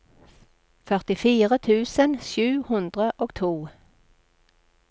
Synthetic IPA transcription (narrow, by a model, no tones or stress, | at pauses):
fœʁt̪ɪfiːʁət̪ʰʉːsənʃjʉːhʉnd̪ʁəʔoːɡ̥t̪ʰuː